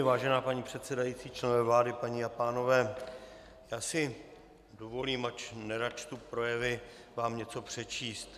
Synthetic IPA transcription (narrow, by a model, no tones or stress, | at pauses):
vaːʒɛnaːpaɲiːpr̥ɛt̪sɛdajit͡siːt͡ʃlɛnvɛːvlaːdɪpaɲiːapaːno̞vɛː | jaːsɪ | dovo̞liːmat͡ʃnɛɾat͡ʃt̪upɾo̞jɛvɪ | vaːmɲɛt͡so̞pr̝̥ɛt͡ʃiːst̪